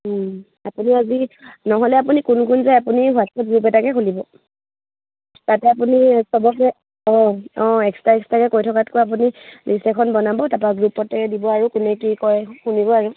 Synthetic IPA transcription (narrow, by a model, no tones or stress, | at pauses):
apuniazinɔɦɔlɛapunikunkunzɛapunibʱat̚ɔt̚ɡɹupɛtakɛkʰxulibɔ | tatɛapunisɔbɔɛ | ɔ̃ɔ̃ɛkstaɛkstakɛkojtʰɔkatkojap̬unilisɛkʰɔnbɔnabɔtapaɡɹupɔtɛdibɔaɹukʊnɛkikɔjxunibɔaɹu